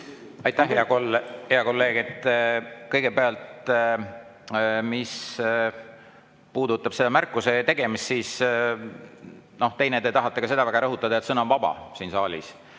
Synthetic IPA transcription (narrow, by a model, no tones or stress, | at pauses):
ɑjt̪ːˑæhɦeɑkolheɑko̞lːe̞ːɡet̪kɤjɡ̥e̞peɑlt̪ | mis | puːd̪ut̪ːˑɑb̥se̞d̪̥ɑmærkːˑuse̞t̪e̞ɡ̥e̞mist̪siːs | no̞ht̪e̞jned̪e̞t̪ɑɦɑt̪ːˑekɑse̞d̪ɑvæɡ̥ɑɾɤɦut̪ːˑɑd̪ɑet̪sɤnɑnvɑb̥ɑ̰siːnsɑːlʲḭs